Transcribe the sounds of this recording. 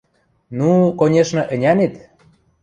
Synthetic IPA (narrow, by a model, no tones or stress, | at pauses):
nukonʲeʃnɤ̆ʔə̆nʲæmet̪